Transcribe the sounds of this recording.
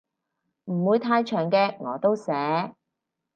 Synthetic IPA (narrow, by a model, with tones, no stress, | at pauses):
m̩˨˩wuː˨˧jt̪ʰaː˧jt͡ʃʰœː˨˩ŋkɛː˧ŋɔː˨˥t̪o˥wsɛː˨˥